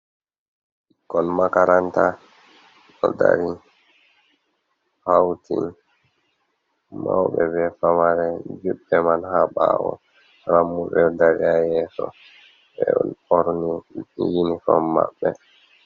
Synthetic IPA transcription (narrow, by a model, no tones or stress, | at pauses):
kɔnmakaɾanta | ɗɔdaɾi | hawti | mawɓɛbɛfamaɾɛd͡ʒuɓːɛmanhaɓawɔ | ɾamːuɓɛdaɾiajɛːsɔ | bɛnɔɾnijinikɔmmːaɓːɛ